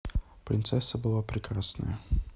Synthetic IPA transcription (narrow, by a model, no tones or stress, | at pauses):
pɾʲɪnt̪sɛsəbɨlˠapɾʲɪkɾasnə̰jə